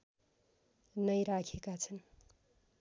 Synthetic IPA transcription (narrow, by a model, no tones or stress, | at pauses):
nʌjɾakʰekat͡sʰʌn